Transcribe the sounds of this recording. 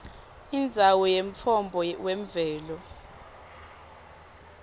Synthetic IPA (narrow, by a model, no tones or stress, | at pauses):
ind͡zʱawɔjeɱ̩t͡fʰɔmbʱɔweɱvɛːlɔ